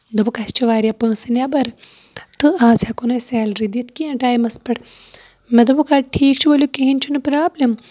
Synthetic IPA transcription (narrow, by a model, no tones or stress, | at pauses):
d̪ɐbɨkɐst͡ʃʰiʋaːɾjapə̃ːsɨnʲabɐɾ | t̪ɨaːzakunɐsɛːlɾid̪it̪kiɐ̃ʈaːjmɐspɐʈ | mɛd̪ɐbukaːʈʰiːk̚t͡ʃʰibolʲukeɦint͡ʃʰunɨpɾaːblɐm